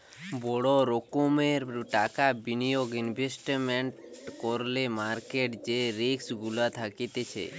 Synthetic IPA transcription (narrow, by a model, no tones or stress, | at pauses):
bɔɽoɾokomeɾʈakabinijoɡinbʱesʈmeɳʈkoɾlemaɾkeʈd͡ʒeɾeksɡulat̪ʰakit̪et͡ʃʰḛ